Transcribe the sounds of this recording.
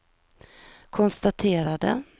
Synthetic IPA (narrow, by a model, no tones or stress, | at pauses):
kʰɔnst̪at̪ʰeːɾad̪ə̰